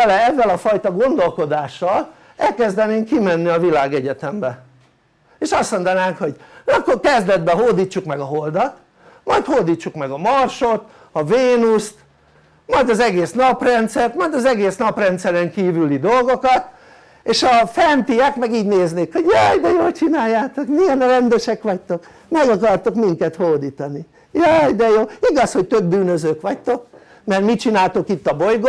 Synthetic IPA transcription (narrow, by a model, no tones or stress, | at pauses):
ɛlɛɛvːɛlɒfɒjt̪ɒɡo̞nd̪o̞lko̞d̪aːʃːɒl | ɛlkɛzd̪ɛneːŋkːimɛnːiɒvilaːɡɛɟɛt̪ɛmbɛ | eːʃɒst̪mo̞nd̪ɒnaːŋkho̞ɟɒkːorkɛzd̪ɛd̪bɛɦoːd̪iːt͡ʃːukmɛɡɒɦo̞ld̪ɒt̪ | mɒjt̪hoːd̪iːt͡ʃːukmɛɡɒmɒrʃo̞t̪ | ɒveːnust̪ | mɒjd̪ɒzɛɡeːsnɒprɛnt̪sɛrt̪mɒjd̪ɒzɛɡeːsnɒprɛnt̪sɛɾɛŋkiːvylid̪o̞lɡokɒt̪ | eːʃɒfɛnt̪iɛkmɛɡiːɟneːzneːkho̞ɟjɑjd̪ɛjoːlt͡ʃinaːjːaːt̪o̞kmiɛnɾɛnd̪øʃɛkʋɒct̪o̞k | mɛɡɒkɒrt̪o̞kmiŋkɛt̪hord̪iːt̪ɒni | jɒjd̪ɛjoːiɡɒsho̞c̚t̪ø̞b̚byːnøzøːkʋɒct̪o̞k̚ | mɛrmit͡ʃinaːlt̪o̞kit̪ːɒbo̞jɡo